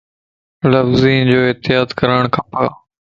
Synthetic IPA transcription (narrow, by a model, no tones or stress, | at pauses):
ləfziːnd͡ʑoːɪɦt̪ɪjaːd̪kəɾəɽ̃kʰãːpaː